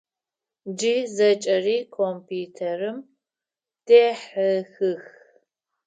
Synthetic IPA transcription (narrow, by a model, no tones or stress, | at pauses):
d͡ʒiːzɐt͡ʃʼɐriːkʰompʰiːtʰerɨm | d̥eːħəxɨx